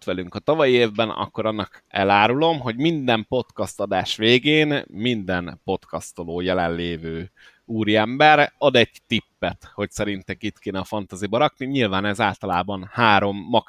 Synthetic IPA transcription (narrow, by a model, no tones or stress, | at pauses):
t̪ʋɛlyŋkɒt̪ɒvɒjieːvbɛnɒ̰kːo̞ɾɒnːɒkɛ̰laːɾulo̞mɦo̞ɟmind̪ɛmpo̞t̪kɒst̪ɒd̪aːʃʋeːɡeːnmind̪ɛnpo̞t̪kɒst̪oloːjɛlɛnleːvøː | uːɾiɛmbɛɾɒd̪ɛɟt̪ipːɛt̪ho̞csɛɾint̪ɛkit̪keːnɛːfɒnt̪azibɒɾɒkniɲilvaːnɛzaːlt̪ɒlaːbɒnhaːɾo̞mːɒk